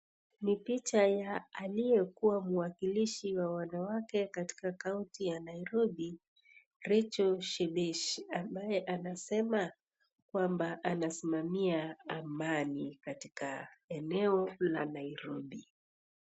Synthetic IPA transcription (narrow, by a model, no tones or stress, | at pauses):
nipit͡ʃajaːlijɛkuwamuwakiliʃiwawanawakɛkati̥kakauntijanaiɾɔɓi | ɾɛt͡ʃɔʃɛbɛʃambajɛʔanasɛma | kwambaʔanasimamiaamanikatikaɛnɛɔla̰naiɾɔɓi